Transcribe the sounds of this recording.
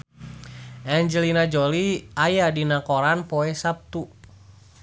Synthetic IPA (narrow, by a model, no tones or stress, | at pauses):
ʔɛɲd͡ʒɛlinad͡ʒɔliajadinakɔɾanpɔɛsap̚t̪u